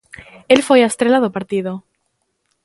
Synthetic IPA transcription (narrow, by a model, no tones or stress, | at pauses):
elfwejast̪ɾelaðopaɾt̪ið̞o